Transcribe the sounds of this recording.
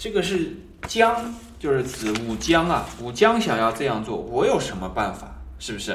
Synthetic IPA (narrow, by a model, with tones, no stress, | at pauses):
ʈ͡ʂɤ˥˩ɡə˩ʂɻ̩˥˩ | t͡ɕjɑ˥ŋ | t͡ɕjo˥˧ʊʂɻ̩˥˩t͡sɹ̩˧˩u˨˩t͡ɕjɑ˥ŋɐ˨u˨˩t͡ɕjɑ˥ŋɕjɑ˨˩ŋjɑ˥˧ʊʈ͡ʂɤ˥˧jɑ˥˧ŋt͡swɔ̰˥˩wɔ˧˥jo˨˩ʊʂə˧˥nmə˧pa̰˥˩nfa˨˩˦ʂɻ̩˥˩bu˩ʂɻ̩˥˩